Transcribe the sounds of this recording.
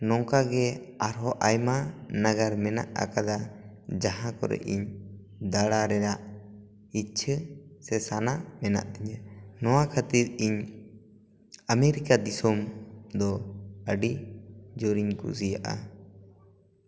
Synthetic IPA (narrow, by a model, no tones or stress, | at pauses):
nɔŋkaɡɛaɾɦɔʔajmanaɡaɾmɛna̰ʔa̰kad̪a | d͡ʒaɦãkɔ̰ɾɛ̰ʔḭɲ | d̪aɽaɾɛɾaʔ | it̪̚t͡ʃʰəsɛsanamɛna̰ʔt̪ɛɲanɔwakʰət̪iɾiɲ | ameɾikad̪isɔmd̪ɔəɖid͡ʒɔɾiɲkṵsijaʔa̰